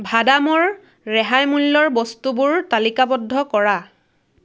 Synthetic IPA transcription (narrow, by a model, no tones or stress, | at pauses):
bʱadamɔɹ | ɹɛɦajmulːɔɹbɔstubʊɹtalikabɔdʱːɔkɔɹa